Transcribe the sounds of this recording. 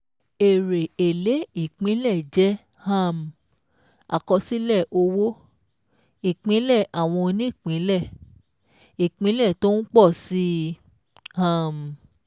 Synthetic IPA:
e˨ɾe˨e˨le˨˦i˦˨k͡pĩ˨˦lɛ˦˨d͡ʒɛ˨˦ | hã˦˨m˨ | a̰˨kɔ˧si˦lɛ˦˨ʔo˧wo˦ | i˨k͡pĩ˨˦lɛ˦˨ʔa˨w̃ɔ̃˧nĩ˦i˦˨k͡pĩ˨˦lɛ˦˨ | i˨k͡pĩ˨˦lɛ˦˨to˦n̩˦k͡pɔ˦˨si˦ | hã˦˨m˨

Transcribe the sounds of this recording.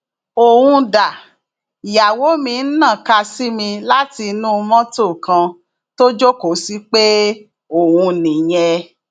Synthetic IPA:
o˨hũ˧da˨ | i˨ja˨wo˨˦mĩ˧n̩˦nã˦˨ka˧si˦mĩ˧la˦ti˧nũ˦˧mɔ̃˦to˦˨kã˧ | to˦d͡ʒo˦ko˨˦si˦k͡pe˦ | o˨hũ˧nĩ˨j̃ɛ˧

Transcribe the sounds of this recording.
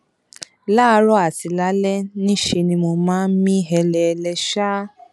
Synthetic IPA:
la˦˧ɾɔ˦a˨ti˨la˨˦lɛ˦nĩ˦ʃe˧nĩ˧mo˧mãː˦n̩˦mĩ˦ɦɛ˧lɛ˨˧lɛ˧ʃa˦

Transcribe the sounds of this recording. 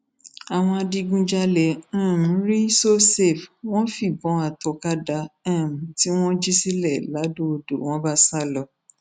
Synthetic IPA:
a˨w̃ɔ̃˧a˧di˧ɡũ˦d͡ʒa˦lɛ˨ã˦˨m̩˨˦ɾi˦so˦se˦˨fw̃ɔ̃˦fi˦˨bɔ̃˨˦a˨tɔ˨ka˦da˧ã˦˨m̩˨˦ti˦w̃ɔ̃˦d͡ʒi˦si˦lɛ˦˨la˨˦du˦o˧do̰˨w̃ɔ̃˦ba˦sa˦˨lɔ˧

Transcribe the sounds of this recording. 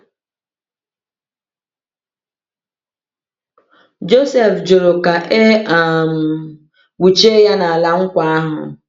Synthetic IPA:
d͡ʒo˦sɛ˨fd͡ʒo˨ɾo˨ka˨ʔe˦a˦˨m̩˨ | wu˨t͡ʃe˦ja˦na˨a˨la˦ŋ̩˦kʷa˦a˦ɦʊ̰˨

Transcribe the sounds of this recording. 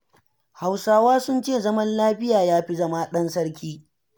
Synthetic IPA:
ha˨wsaː˦waː˦sʊ˦nt͡ʃeː˦˨zɐ˦mɐ˦nlaː˦ɸɪ˦jaː˨jaː˦ɸi˦zɐ˦maː˦ɗɐ˦nsɐ˦ɽkʲiː˦

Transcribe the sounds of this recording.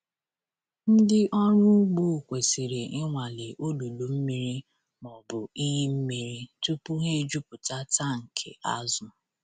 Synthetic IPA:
n̩˦dɪ˦ʔɔ˦ɲʊ˦ɡ͡bu˦˨kʷe˨si˨ɾe˨ɪ˦ŋʷa˨le˨ʔo˦du˨du˨m̩˦mi˦ɾi˦ | mɔ˨bʊ˨i˦ɦe˦m̩˦mi˨ɾi˦tu˦pu˦ɦe˦d͡ʒu˦pʊ˨ta˦ta˦ŋ̩˨kʰḛ˨ʔa˦zʊ˨

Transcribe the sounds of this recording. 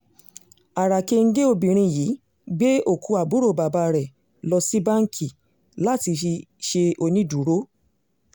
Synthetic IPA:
a˨ɾa˨ke˧ŋ̩˦ɡe˦o˧bĩ˨ɾ̃ĩ˧jiː˨˦ | ɡ͡be˦o˨kʰu˨˧˦a˨bu˨˦ɾo˦˨ba˨ba˧˦ɾɛ˨ | lɔ˧si˦ba˦ŋ̩˦kʰi˨ | la˨˦ti˧fi˧ʃe˧o˧nĩ˦du˨ɾo˦

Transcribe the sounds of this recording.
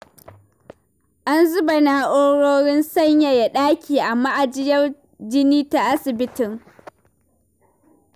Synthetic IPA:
ʔa˦nzʊ˦ba˨naː˨ʔoː˦ɽoː˦ɽɪ˦nsɐ˦ɲja˨ja˨ɗaː˦kʲʰiː˨ʔa˨mːa˦ʔa˨d͡ʒɪ˦jɐ˦r | d͡ʒɪ˦niː˦ta˨ʔa˦sɪ˨bɪ˦tɪ˨ŋ

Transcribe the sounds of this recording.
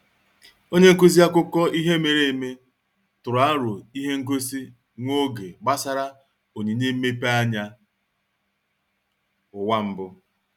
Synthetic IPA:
o˦ɲe˦ŋ̩˦ku˦zi˦a˦kʊ˦kɔ˦ʔi˦ɦe˦me˨ɾe˦˨e˨me˦ | tʊ˨ɾa˦ɾʊ˨i˦ɦe˦ŋ̩˦ko˦si˦ | ŋʷo˦ɡe˨ɡ͡ba˦sa˦ɾa˦ | o˨ɲe˨˦ɲe˦m̩˦me˦pa˦ɲa˦ | ʊ˨wa˦m̩˦bʊ˦

